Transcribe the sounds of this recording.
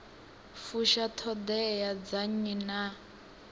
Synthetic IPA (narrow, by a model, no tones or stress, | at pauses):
fuʃatʰɔd̪ɛjad͡zaɲina